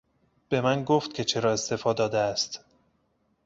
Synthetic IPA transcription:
b̥e̞mænɡoft̪̚cʰe̞t͡ʃʰe̞ɾɒːe̞st̪e̞fɒːd̪ɒːd̪eæst̪

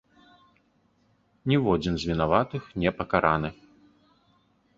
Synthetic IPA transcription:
nʲɛvɔd͡zʲinzʲvʲinavat̪ɨxnʲɛpɐkaɾanɨx

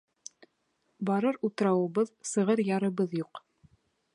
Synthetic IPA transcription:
bɑɾɤɾut̪ɤ̆ɾɑwɤ̆βɤðsɤ̆ʁɤɾjɑɾɤ̆βɤðjuq

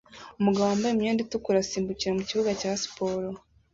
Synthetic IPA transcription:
umuɡaβoaːmbajemɲoːnditukuɾasiːmbuciɾamuciβuɡacaːsi̥poɾo

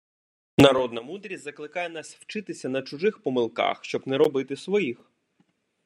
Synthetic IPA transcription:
nɐɾɔd̪nɐmud̪ɾʲisʲzɐklˠɪkɑjɛnɑsʲwt͡ʃɪt̪ɪsʲɐnɐt͡ʃʊʒɪxpɔmɪlˠkɑ̰xʃt͡ʃɔbnɛɾɔbɪt̪ɪsʋɔjix

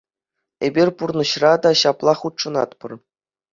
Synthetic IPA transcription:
ebʲirʲpurnɤ̆ɕrɑd̪ɑɕɑplˠɑχut̪ʂɤ̆nɑ̰t̪pɤ̆r

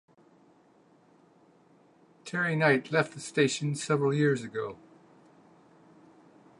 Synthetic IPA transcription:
tʰɛɹinaɪtʰˡlɛft̪̚ðɨsteɪʃɨ̃nsɛvɹl̩ˠjɪɹzɨɡoʊ

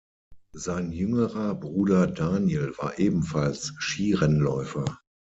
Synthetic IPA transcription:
zaɪnjʏŋəʁɐbʁuːdɐdaːnjelva̰ːɐʔeːbm̩falsʃiːʁɛnlɔʏfɐ

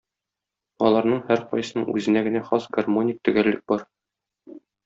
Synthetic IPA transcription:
ɒlˠɑɾnɤɴhæɾqɒ̰jsɤnɤɴʉ̰zɘ̆næɡɘ̆næχɒsɡɐrmo̞nʲik̚t̪ɵ̆ɡælːɘk̚bɒɾ

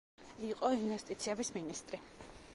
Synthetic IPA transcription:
iqʼɔinvɛst̪ʼit̪sʰiɛbisminist̪ʼɾi

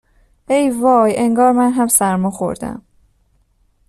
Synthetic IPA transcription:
ʔejvɒːjʔeŋɡɒːɾmænɦæmsæɾmɒːxo̞̰ɾd̪æ̰m

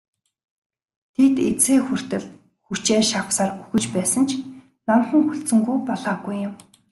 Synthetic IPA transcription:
t̪ʰet̪et͡seːxur̥t̪ɘ̆ɮ | xut͡ɕeːʃapsaːruxɵ̆t͡ɕpæːsə̆nt͡ɕʰ | namχə̆ŋxuɬt͡sɵ̆ŋɡujpɔɮaːɣujːɪm

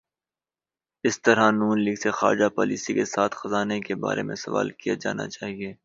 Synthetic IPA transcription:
ɪst̪ɐɾanuːnliːɡsexa̰ːɾd͡ʒapɔ̰ːliːsikesaːt̪ʰxɐzaːnekeba̰ːɾʔemẽsɐʋa̰ːlkijad͡ʒa̰ːna̰t͡ʃaːɦieː

